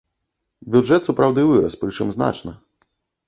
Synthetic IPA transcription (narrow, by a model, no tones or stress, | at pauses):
bʲud͡ʐʐɛt̪supɾawd̪ɨvɨɾɐ̰spɾɨt͡ʂɨmzna̰t͡ʂnɐ